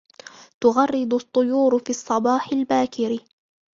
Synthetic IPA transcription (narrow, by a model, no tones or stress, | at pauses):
t̪ʊɣɑrˤːɨd̪ˤʊt̪ˤːʊjuːɾfiːɑsˤːɑbɑːħɪlbaːkɪɾɪ